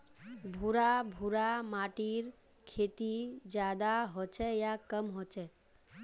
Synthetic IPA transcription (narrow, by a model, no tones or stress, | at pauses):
bʱuɾabʱuɾamaʈiɾ | kʰet̪id͡ʒad̪aɦot͡ʃʰɛjakəmɦot͡ʃɛ